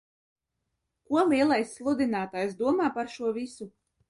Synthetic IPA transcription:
kuɔlˠiɛlˠajsːlˠud̪inaːt̪aːjs̬d̪uɔmaːpaɾʃuɔvisu

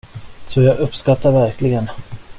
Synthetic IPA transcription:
sɔjɑːɡɵpːskat̪ʰːaɾvæɾkʰlɪɡən

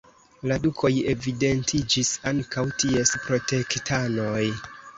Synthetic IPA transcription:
ladukʰo̞je̞vide̞ntʰid͡ʒisaŋkawtie̞spɾo̞te̞ktano̞j

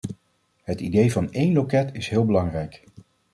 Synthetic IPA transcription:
ɦətidejvɑnejnlokɛtɪsɦɪːlˠbəlɑŋrɛjk

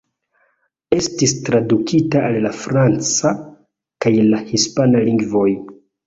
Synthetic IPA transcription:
e̞stistɾadukʰitaːlːafɾant͡sa | kajlahispanaliŋɡvo̞j

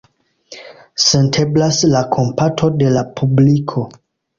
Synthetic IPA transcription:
sentʰeblaslakʰo̞mpatʰo̞de̞lapʰublikʰo̞

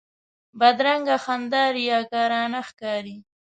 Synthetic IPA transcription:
bad̪ɾaŋɡaxand̪ɑːɾijɑːkɑːɾɑːnaxkɑːɾi

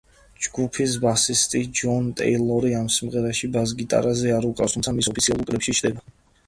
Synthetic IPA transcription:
d͡ʒɡupʰis̬basist̪ʼid͡ʒɔnt̪ʼɛ̰ilˠɔɾiamsimʁɛɾaʃibazɡit̪ʼa̰ɾazɛaɾukʼa̰st̪ʰumsʰamisɔpʰit̪sʰialˠuɾkʼlɛpʃit͡ʃʰd̪ɛba

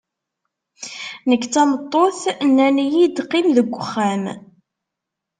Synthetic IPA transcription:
nəkːt͡sːɑmət̪ˤːoθnːænijid̪qːɪmðəɡʷːəχːæm

